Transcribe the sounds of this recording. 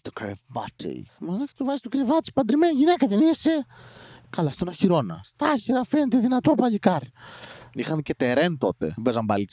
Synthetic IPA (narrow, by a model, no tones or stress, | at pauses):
st̪ukɾevat͡ʃḭmenɐke̥t̪uvɐsist̪ukɾevɐt͡ʃi̥pɐnd̪ɾimenʝinekɐt̪inise | kɐlɐst̪onɐçiɾo̞nɐ̰st̪ɐçiɾɐfenet̪eðinɐt̪opɐʎikɐɾ | ixɐncet̪eɾent̪o̞t̪ḛbezɐmbɐlit͡s